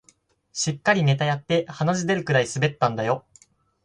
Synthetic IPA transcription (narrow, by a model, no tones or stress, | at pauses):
ɕikːaɾʲine̞t̪ajat̪ːe̞hanaʑid̪e̞ɾɯ̟kɯ̟ɾaisɨbe̞t̪ːãnd̪ajo̞